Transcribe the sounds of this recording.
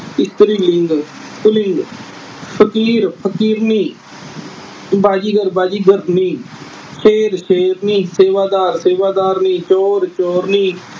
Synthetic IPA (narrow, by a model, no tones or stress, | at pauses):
ɪst̪əɾiːlɪŋɡkʊlɪŋɡ | pʰəkiːɾpʰəkiːɾniː | baːd͡ʒiːɡəɾbaːd͡ʒiːɡəɾniː | ʃeːɾʃeːɾniːseːʋaːd̪aːɾseːʋaːd̪aːɾnĩːt͡ʃɔːɾt͡ʃɔːɾniː